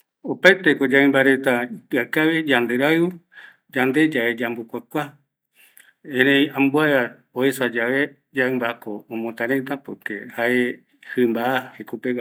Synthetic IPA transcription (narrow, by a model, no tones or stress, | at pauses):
opajt̪ekod͡ʒaẽmbaɾe̞t̪apakaβed͡ʒand̪eɾaeu | d͡ʒand̪e̞d͡ʒaed͡ʒambukʷakʷa | ẽɾẽj̃ãmbuaɾa | oesad͡ʒaβe | d͡ʒaɨmbakõːmõt̪ãɾet̪̬apɨkḛhae | hɨmbaahekupe